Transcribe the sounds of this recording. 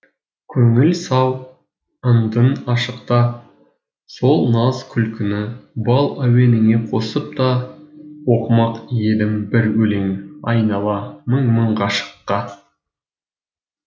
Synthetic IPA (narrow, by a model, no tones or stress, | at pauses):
kʲʰɵŋɪlsɑw | ənd̪ənɑʃəqt̪ɑ | so̞lˠnɑzkʲʰʏlkʲʰɪnɪbɑlˠæwe̞nɪŋe̞qʰo̞səp̚t̪ɑ | wo̞qmɑqje̞d̪ɪmbɪɾwɵle̞ŋɑjnɑlˠɑməɴməɴʁɑʃə̥qːɑ